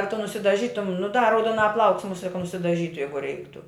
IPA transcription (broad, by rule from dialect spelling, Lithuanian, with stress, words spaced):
ɐ tʊ nʊsʲɪdɐˈʒʲiːtʊm nʊ dɐ rɐʊduɔˈnɑː plˠɐʊks mʊˈsʲiɛ kɐ nʊsʲɪdɐˈʒʲiːtʊ ˈjɛɪɡʊ ˈrʲɛɪktʊ